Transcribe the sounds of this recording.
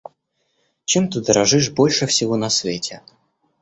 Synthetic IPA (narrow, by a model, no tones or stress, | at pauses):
t͡ɕemt̪ɨd̪əɾɐʐɨʂbo̞lʲʂɨfsʲɪvonɐsvʲetʲe